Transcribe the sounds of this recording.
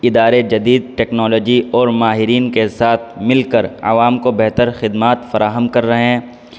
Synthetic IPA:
ɪd̪aːɾed͡ʒɐd̪iːd̪̚ʈɛːknɔːlɔːd͡ʒiɔːɾmaːɦɪɾiːnkesaːt̪ʰmɪlkəɾɐ̰ʋaːmkobɛɦt̪əɾxɪd̪maːt̪fɐɾaːɦəmkɐɾːɐɦeɦɛ̃ː

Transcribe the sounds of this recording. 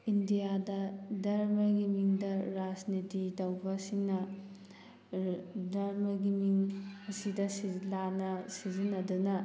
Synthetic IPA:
indijadɐdɐɾmɐɡimiŋdɐɾad͡ʒnititɐwbɐsiŋnɐ | dɐɾmɐɡimiŋɐsidɐsilanɐsizinɐdunɐ

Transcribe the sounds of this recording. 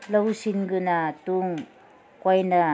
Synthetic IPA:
lawsinɡɯnatuŋ | kajna

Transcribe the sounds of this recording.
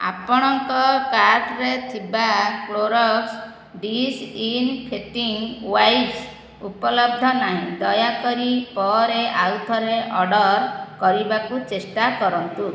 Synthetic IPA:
a̰pɔɽ̃ɔŋkɔkaɾʈɾet̪ʰibakloɾɔks | ɖisinpʰeʈiŋwajs | upɔlɔb̚d̪ʱɔnaɦĩd̪ɔjakɔɾipɔɾeʔawt̪ʰɔɾeʔɔɖɔɾkɔɾibakut͡ʃesʈakɔɾɔnt̪u

